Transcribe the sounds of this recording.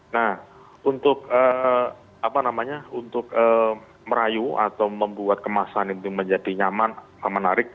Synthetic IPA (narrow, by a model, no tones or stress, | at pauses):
nah | unt̪ʊk̚əː | apanamaɲaunt̪ʊkə | məɾajua̰t̪awməmbuat̪̚kəmasaɦanint̪ʊməɲd͡ʒadiɲamansamanːaɾɪk̚